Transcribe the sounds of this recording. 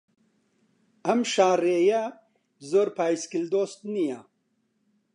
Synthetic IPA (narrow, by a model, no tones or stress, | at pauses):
ɐmʃaːreːjɐ | zoːɾpaːjskild̪oːst̪nija